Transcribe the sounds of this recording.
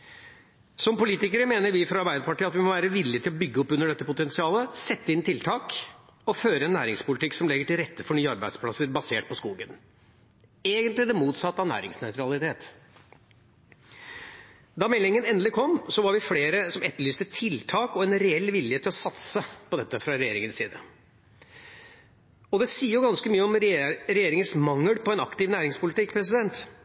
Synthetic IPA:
sɔmpʊliːt̪ɪkəɾəmeːnəɾʋɪfɾɑɑɾbæɪd̪əpɑʈiːɑt̪ʋɪmɔʋæːɾəʋɪlːɪət̪ʰɪlɔbʏɡːəɔpːʉnːəɖɛt̪ːəpʊt̪ɛnsɪɑːləsɛt̪ːəɪnt̪ʰɪlt̪ʰɑːk | ɔføːɾəɛnːæːɾɪŋspʊlɪt̪ʰɪksɔmlɛɡːəʈɪlɾɛt̪ːəfɔɳyːəɑɾbæɪd̪spʰlɑsəɾbɑseːʈ̚pʰɔskuːɡən | eːɡənt̪lɪd̪ɛmuːt̪sɑt̪ːɑʋnæ̰ːɾɪ̰ŋsnœʏt̪ɾɑlɪt̪ʰeːt̪ | d̪ɑːmɛlɪŋənɛnd̪lɪkʰɔmsɔʋɑɾʋɪfleːɾəsɔmɛt̪ːəɭyːst̪ət̪ʰɪlt̪ʰɑːkɔɛnɾɛɛlːʋɪljət̪ʰːɪlɔsɑt̪səpɔd̪ɛt̪ːəfɾɑɾɛjeːɾɪŋənsiːd̪ə̰ | ɔd̪ɛsiːəɾjʊɡɑnskəmyːəɔmɾɾɛjeːɾɪŋənsmɑŋːəlpɔɛnɑkt̪ɪʋnæːɾɪŋspʊlɪt̪ɪkːpʰɾɛs̬ɪd̪ɛnt̪

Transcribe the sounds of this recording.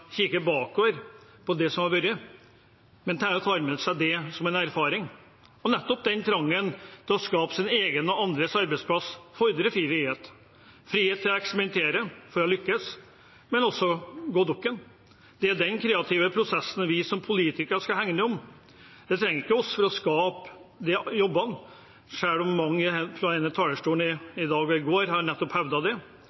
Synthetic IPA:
çikəbɑːkoːʋəɾ | pʰɔd̪ɛsɔmɑɾʋœɾə | mɛnt̪ʰæɾɔt̪ʰɑːɾmɛnəsæɪd̪ɛsɔmɛnæɾfɑːɾɪŋ | ɔnɛt̪ːɔp̚d̪ɛnt̪ʰɾɑŋːənt̪ʰɪlɔskɑːpsɪneːɡənɔɑnd̪ɾəsɑɾbɛɪspʰlɑsfɔɾd̪ɾəfɾiːfɾiːheːt̪ | fɾiːheːt̪ʰːɪlɔɛkspəmɛnt̪ʰeːɾəfɔɾɔlʏkːəs | mɛnɔsːɔɡoːd̪ɔkːən | d̪ɛæɖɛnkʰɾeːɑt̪ʰɪːʋəpʰɾʊsɛsːən̩ʋɪsɔmpʰʊliːt̪ɪkəʂkɑɦæŋnəɔm | d̪ɛt̪ʰɾɛŋːəɾɪkːəɔsfɔɾɔskɑːpd̪ɛjɔbːɑn | ʂæːɽɔmːɑŋːəpʰɾɔæɪnət̪ʰɑːləʂʈuːnɪɪd̪ɑːɡɔɪɡoːɾhɑɾnɛt̪ːɔphɛʋd̪ɑd̪ɛ

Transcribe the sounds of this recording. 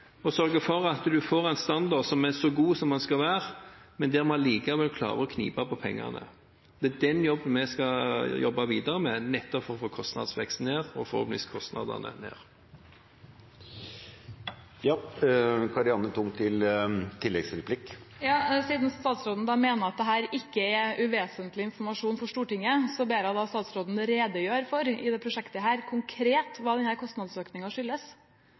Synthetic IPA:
ɔsœɾɡəfɔɾɑt̪d̪ʉfoːʁæɪnst̪ɑnd̪ɑd̪sɔmæsɔɡuːsɔmːɑnskɑʋæːʁmɛnd̪ɛæɾmɑliːkəʋɛlkʰlɑ̰ːʁəɔkʰnḭːpɑpɔpʰɛŋːɑ̰nə̰ | d̪ɛæd̪ɛnjɔbːənmɛskɑjɔbːɑʋiːd̪ɑʁəmɛnɛt̪ːɔpfɔɾɔfoːkʰɔst̪nɑ̰d̪sʋɛkst̪n̩eːʁɔfɔɾhɔ̰ːpənʋḭskʰɔst̪nɑ̰d̪ə̰nə̰nḛːʁ | jɑːkʰɑɾɪɑnət̪ʰʊŋt̪ʰɪlt̪ʰɪlːɛɡsɾɛpʰlɪk | jɑːsiːd̪n̩st̪ɑːt̪sɾoːd̪n̩əd̪ɑmeːnəɾɑt̪̚d̪ɛɦæːɾɪkːəɛʉʋeːsənt̪lɪɪnfɔɾmɑʂuːnfɔʂt̪uːʈɪŋːəsɔbeːɾɑd̪ɑst̪ɑːt̪sɾoːd̪n̩ɾeːd̪əjøːɾfɔɾɪd̪ɛpʰɾʊʂɛkt̪əɦæːɾkʰʊŋkʰɾeːt̪ʋɑːd̪ɛnhæːɾkʰɔst̪nɑd̪søːknɪŋɑʂʏlːəs

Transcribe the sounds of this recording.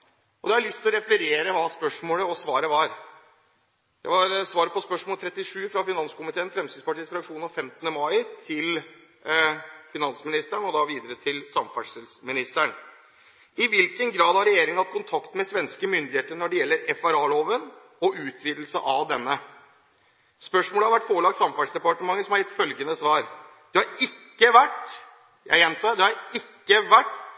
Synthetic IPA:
ɔd̪ɛæælʏst̪lɔɾɛfləɾeːɾəʋɑːspœʂmoːləɔsʋɑːɾəʋɑɾ | j̪æɪʋɑɾsʋɑːɾəpɔspœʂmoːlt̪ʰɾɛt̪ːɪʂʉːfɾɑfɪnɑnskʊmɪt̪ʰeːnfɾɛmsiːspɑʈʰiːsfɾɑkʂuːnɑfɛmt̪ənəmɑɪt̪ʰɪl | fɪnɑnsmɪnɪst̪əɳɔd̪ɑʋiːd̪əɾət̪ʰɪlsɑmfɑʂlsmɪnɪst̪əɳ | ɪʋɪlkənɡɾɑːd̪hɑɾɛjeːɾɪŋənhɑt̪kʊnt̪ʰɑkt̪mɛsʋɛnskəmʏnd̪ɪheːt̪əɾnɔɖɛjɛlːəɾɛfæɾɑːloːʋən | ɔʉːt̪ʰʋiːd̪l̩səʔɑʋd̪ɛnːə | spœʂmoːləhɑɾʋæʈːfoːɭɑɡsɑmfɑlsd̪ɛpɑʈəmɑŋːəsɔmhɑɾɛt̪fœlɡənəsʋɑːɾ | d̪̥ɛhɑɾɪkːəʋæʈː | jæ̰ɪjɛnt̪ʰɑːd̪ɛhɑɾɪkːəʋæʈː

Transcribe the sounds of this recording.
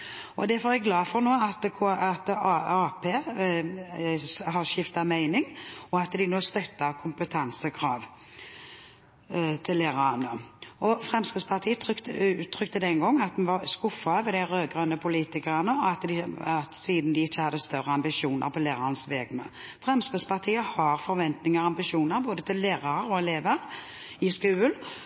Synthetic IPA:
ɔd̪ɛfɔʁɛɡlɑːfɔʁnoːɑt̪kʰːɑt̪ɑɑːpʰeː | ɦɑʃɪft̪ɑmæɪnɪŋɔɑt̪d̪ɪnoːst̪œt̪ːɑkʰʊmpət̪ʰɑnsəkʰʁɑːʋ | t̪ʰɪlːeːʁɑɑnəʔɔfʁɛmskɾɪd̪spʰɑʁt̪ʰiːət̪ʉːtt̪ʰːʁʏk̚t̪əd̪ɛŋɡɔŋːɑt̪̚d̪ɛnʋɑskʊfːɑʋɛd̪æɪʁøːɡʁœnəpʰʊliːt̪ɪkəʁənəɔɑt̪d̪ɪɑt̪siːd̪n̩d̪ɪɪçːəhɑd̪ːəst̪œʁəɑmbɪʃuːnʔə̰ɾpʰɔleːʁɑʁənəsʋɛːɡmɛ̰ | fʁɛmskɾɪd̪spɑʁt̪ʰiːəhɑɾfɔɾʋɛnt̪nɪŋəʁɑmbɪʃuːnəɾboːd̪ət̪ʰɪlːeːʁɑʁɾɔɛleːʋəʁ | ɪskʉːl

